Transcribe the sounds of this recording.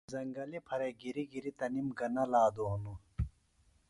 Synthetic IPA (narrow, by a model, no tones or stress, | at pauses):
zɐŋɡɐlipʰɐɾeɡiɾiɡiɾit̪ɐnimɡɐnɐlaːd̪oːnu